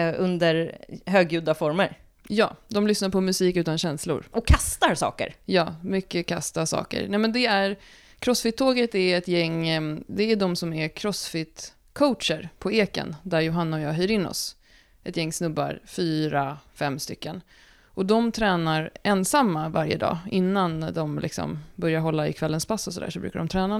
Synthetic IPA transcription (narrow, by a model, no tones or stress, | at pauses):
ɵ̰nd̪əɾɦøːɡjʉ̟ːd̪afɔɾməɾ | jɑːd̪ɔmlʏsnaɾpʰɔmɵsiːkʉ̟ːt̪anɕɛnslʊ̰ɾʔɔkʰːast̪aɾsɑ̰ːkə̰ɾjɑːmʏkːəkʰa̰st̪asɑ̰ːkə̰ɾnɛmɛnd̪ɛæɾ | kʰɾɔsfɪt̪ʰːoːɡət̪æɛt̪jɛŋːd̪ɛæɖɔmsɔmæɾkʰɾɔsfɪt̪ | kʰowt̪ʂəɾpʰɔeːkə̰nd̪æɾjʊɦanːaɔjɑːɦœjɾɪnːɔ̰s | ʔɛt̪jɛŋːsnɵbːa̰ɾfyːɾafɛmːst̪ʏkːən | ʔɔd̪ɔmt̪ʰɾɛːnaɾɛnsamːavaɾjə̰d̪ɑ̰ːɪnːand̪ɔmlɪ̰ksɔ̰mbœɾjaɾɦɔlːaɪ̰kʰvɛlːənspʰasːɔsɔd̪æ̰ːʂɔbɾʉ̟ːkaɖɔmt̪ʰɾɛːna